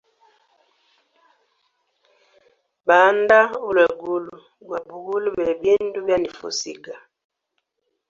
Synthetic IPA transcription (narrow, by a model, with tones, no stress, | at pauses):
ba˨˦n˦da˦u˦lɛ˨ɡu˦lu˨ | ɡwa˨bu˨ɡu˦lu˦bɛ˨bi˦ndu˦bja˦ni˨fo̰˨sḭ˦ɡa˨